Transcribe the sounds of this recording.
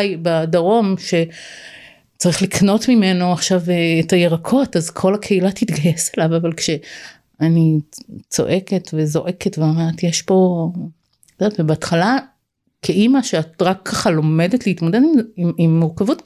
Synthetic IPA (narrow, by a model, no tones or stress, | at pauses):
jbadaʁo̞mʃe̞ | t͡saʁiχlikno̞tmime̞noaχʃaveːtajeʁakʰo̞tazkʰo̞lakʰeilatit̪ɡajeselavavalkʃe̞ | anit͡so̞̰ʔe̞ke̞tvezo̞ʔe̞ketveʁatjeʃpo̞ | odatvebeatχala | kʰeʔimaʃeatʁakʰːaχalo̞me̞detleitmodedimmimːuʁkavut